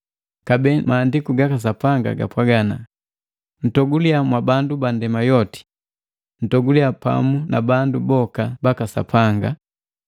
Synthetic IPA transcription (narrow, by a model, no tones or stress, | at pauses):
kabɛmaːndikuɡakas̬apaŋɡa̰ɡa̰pwaɡana | n̩tɔɡuliamwabandubandɛmajɔti̥ | tɔɡuliapa̰munabandubɔkabakasa̰pʰaŋɡa